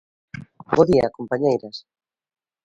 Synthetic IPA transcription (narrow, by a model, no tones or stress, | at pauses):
boðia̰kompaɲejɾas